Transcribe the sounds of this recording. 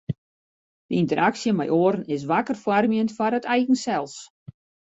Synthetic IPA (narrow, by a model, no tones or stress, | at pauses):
d̥əintəɾʔaksjəmɛjʔoəɾənɪs̬ʋakərfwarmjəntfaɾətʰɛjɣən̩sɛlˠs